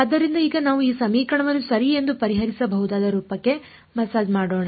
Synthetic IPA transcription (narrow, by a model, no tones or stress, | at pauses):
ɐd̪ːɐɾind̪ɐiːɡɐnaːʋuiːsɐmiːkɐɳɐʋɐnːusɐɾie̞nd̪upɐɾiɦɐɾisɐbɐɦud̪aːd̪ɐɾuːpɐkːe̞ | mɐsaːd͡ʒmaːɽoːɳa